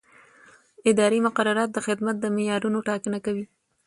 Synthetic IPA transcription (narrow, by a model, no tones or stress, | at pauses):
ɪd̪ɑɾimʊqaɾːaɾɑt̪̚d̪əxɪd̪mat̪̚d̪əmɪjɑɾunoʈɑkənakawi